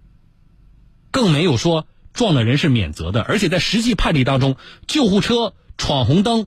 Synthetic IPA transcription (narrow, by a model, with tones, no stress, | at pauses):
kɤ˥˩ŋme˧˥ɪjo˨˩ʊʂwɔ˥ | ʈ͡ʂwɑ˥˩ŋd̪ə˩ɻə˧˥nʂɻ̩˥˩mjɛ̰˨˩nt͡sɤ̰˧˥d̪ə˧ʔə˞˧˥t͡ɕʰjɛ˨˩t͡sa˥˩ɪʂɻ̩˧˥t͡ɕi˥˧pʰa˥˧nli˥˩t̪ɑ˥ŋʈ͡ʂʊ˥ŋt͡ɕjo˥˧ʊxu˥˩ʈ͡ʂʰɤ˥ʈ͡ʂʰwɑ˨˩nxʊ˧˥ŋt̪̬ɤ˥ŋ